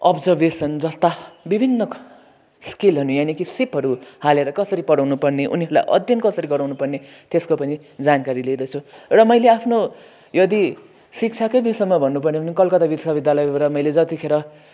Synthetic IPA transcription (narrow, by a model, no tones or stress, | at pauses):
ʌbd͡zʌrbesʌnd͡zʌst̪abibʱinːʌ | skilɦʌnujanekisipɦʌɾuhaleɾʌkʌsʌɾipʌɽʌwnupʌrneʔuniʌɾula̰jʔʌ̰d̪ʱjʌnkʌsʌɾiɡʌɾawnupʌrne | t̪eskopʌni | d͡zankaɾiled̪ʌt͡sʰurʌmʌjleapʰno | jʌd̪i | sik̚t͡sʰakʌjbisʌmːʌbʱʌnːupʌrneʌnikʌlkʌt̪abisʌbid̪jalʌjbɾʌmʌjled͡zʌt̪ikʰeɾʌ